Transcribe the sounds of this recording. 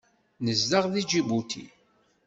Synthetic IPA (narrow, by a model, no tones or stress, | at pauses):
nəzːaʁðid͡ʒibut̪ʰḭ